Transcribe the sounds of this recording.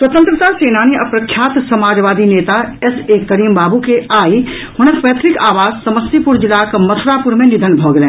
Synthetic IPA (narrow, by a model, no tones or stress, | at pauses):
swət̪ə̃nt̪ɾət̪aseːnaːniʔɐpɾɐkʰːjaːt̪sɐmaːd͡ʒʋaːd̪ineːt̪aɛsekɐɾiːmbaːbukeaːi | hʊɽ̃əkpət̪ʰɾɪkaːʋaːzsɐməst̪ipʊɾd͡ʒɪlakmɐt̪ʰɾaːpʊɾmẽnɪd̪ʱənbʱoːɡlẽː